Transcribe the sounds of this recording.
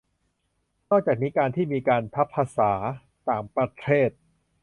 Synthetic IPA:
nɔː˥˩k̚t͡ɕaː˨˩k̚niː˦˥kaː˧nt̪ʰiː˥˩miː˧kaː˧nt̪ʰa˦˥pʰːaː˧saː˩˦ | t̪aː˨˩ŋpɾa˧t̪ʰeː˥˩t̪̚

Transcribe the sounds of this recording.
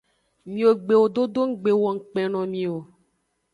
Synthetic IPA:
mĩ˨wo˨ɡ͡be˨wo˨d̪o˦d̪o˦ŋ̩˦ɡ͡be˨wɔ˨ŋ̩˨k͡pɛ̃˨nɔ̃˨mĩ˨o˨

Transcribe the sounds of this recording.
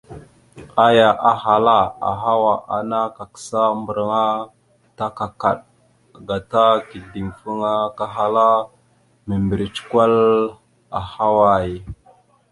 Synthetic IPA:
a˦ja˨ʔa˨ɦa˨la˦a̰˨ɦa˦wa˨ʔa̰˨na˦ka˨kə̥˨sa˦mbə˨ɾə˨ŋa˦ | ta˦ka˨ka̰˨ɗ | ɡa˨ta˦ki˨di˨ŋfə˦ŋa˦ka˦ɦa˦la˦ | mə˨mbə˨ɾi˨t͡ʃkʷa˦l | a˨ha˦wa˦˨j

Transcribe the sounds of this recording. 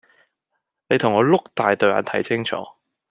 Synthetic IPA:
ne˨˧jt̪ʰʊ˨˩ŋːɔː˨˧lʊ˥k̚t̪aː˨jt̪ɵ˨ɥla̰˨nt̪ʰɐ˨˩jsʰɪ˥ŋt͡ʃʰɔ̰ː˨˦

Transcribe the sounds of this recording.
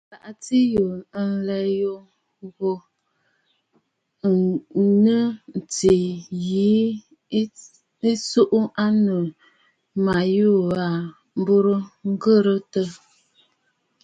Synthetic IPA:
la˨ʔa˨ti˦jo˨n̩˨lɛ˨jo˨ | ɣo˨ | nə˦n̩˨ti˨ji˨˦ | i˦su˦ʔu˦a˦nə˨ | ma˨ju˦a˨ | m̩˦bu˦ɾə˦ŋ̩˦ɡə˦˨ɾə˦tə˦

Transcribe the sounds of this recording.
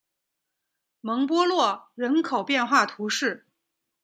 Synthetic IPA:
mɤ˧˥ŋpwɔ˥lwɔ˥˩ɻə˧˥nkʰo˨˩ʊpjɛ˥˧nxwa˥˩t̪ʰu˧˥ʂɻ̩˥˩

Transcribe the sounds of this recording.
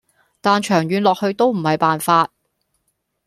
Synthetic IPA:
t̪aː˨nt͡ʃʰœː˨˩ŋjyː˨˧nlɔː˨k̚hɵ˧ɥt̪o˥wm̩˨˩hɐ˨jpaː˨nfaː˧t̚

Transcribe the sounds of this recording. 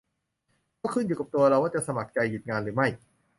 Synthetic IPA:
kɔː˥˩kʰɯ˥˩njuː˨˩ka˨˩pt̪u˧ɐɾa˧waː˥˩t͡ɕa˨˩ʔsa˧ma˨˩k̚t͡ɕa˧jːu˨˩t̪̚ŋaː˧nɾɯː˩˦ma˥˩j

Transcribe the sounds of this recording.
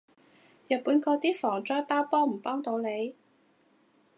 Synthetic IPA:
jɐ˨t̚puː˨˥nkɔː˧t̪iː˥fɔː˨˩ŋt͡sɔː˥jpaː˥wpɔː˥m̩˨˩pɔː˥ŋt̪o˧wne˨˧j

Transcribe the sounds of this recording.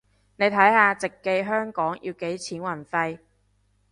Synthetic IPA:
ne˨˧jt̪ʰɐ˨˥jhaː˧t͡sɪ˨kːe˧jɦœː˥ŋkɔː˨˥ŋjʔḭː˧wke˨˥jt͡sʰiː˨˥nwɐ˨˩nfɐ˧j

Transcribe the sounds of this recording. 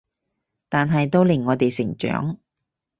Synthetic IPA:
t̪aː˨nɦɐ˨jt̪o˥wlɪ˨˩ŋːɔː˨˧t̪e˨jsɪ˨˩ŋt͡ʃœ̰ː˨˥ŋ

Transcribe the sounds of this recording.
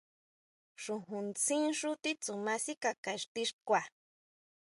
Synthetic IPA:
ʂu˧ɦũ˨nt͡sʰĩ˦nʂu˦t̪i˦t͡su˨ma˧si˦ka˨ka˨ʂt̪i˧ʂkʷa˨

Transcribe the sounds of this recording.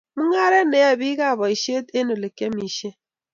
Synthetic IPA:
mu˦ŋa˦ɾe˦ne˨˦a˨βi˦ɣa˦˨βɔ˨i˨ʃe˦te˦no˨le˨ke˦mi˨ʃe˦

